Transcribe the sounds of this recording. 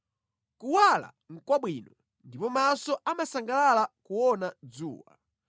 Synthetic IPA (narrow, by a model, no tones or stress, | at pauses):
kuwala̰ | ŋ̩kwaɓwinɔ | ndipɔmasɔʔamasaŋɡalalakuwɔnad͡zuːwa̰